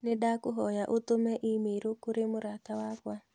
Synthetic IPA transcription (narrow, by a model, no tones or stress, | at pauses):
nɪdakoɦɔjaʔot̪omɛʔimeɾokoɾemoɾat̪awakwa